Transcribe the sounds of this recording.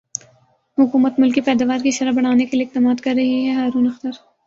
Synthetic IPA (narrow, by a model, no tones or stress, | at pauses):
hʊkuːmət̪mʊlkipɛːd̪aːʋaːɾkiʃɐɾəbɐɽ̤̃aːnekelieɪk̚t̪amaːt̪kɐɾːɐɦiɦɛɦaːɾuːnɐxt̪əɾ